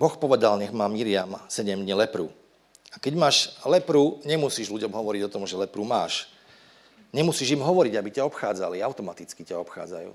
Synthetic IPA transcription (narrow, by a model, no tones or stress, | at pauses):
bɔxpɔʋɛd̪alɲɛɣmaːmiɾɪamsɛɟɛmd̪ɲilɛpɾṵː | akɛɟmaːʃlɛpɾuɲɛmusiːʒluɟɔmɦɔʋɔɾiɟɔt̪ɔmʒɛlɛpɾuːmaːʃ | ɲɛmusiːʒimɦɔʋɔɾiɟabicaɔpxaːd͡zaliaʊt̪ɔmat̪it͡skicaɔpxa̰ːd͡za̰jṵː